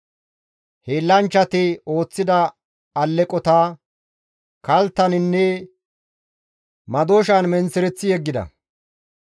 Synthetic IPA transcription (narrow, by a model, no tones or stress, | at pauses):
heːlːɐnt͡ʃːɐt̪ɪo̞ːt͡sːɪd̪ɐ | ɐlːɛkʼɔt̪aː | kɐlt̪ːɐnɪnːɛ | mɐd̪oːʃɐnmɛnt͡sɪɾɛt͡sːɪjɛɡːɪd̪ɐ̰